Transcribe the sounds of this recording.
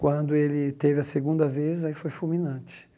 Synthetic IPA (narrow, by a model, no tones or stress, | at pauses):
kwɐ̃nd̪ʊelɪt̪evɪɐseɡũnd̪ɐvezaifojfulmĩnɐ̃t͡ʃɪ̥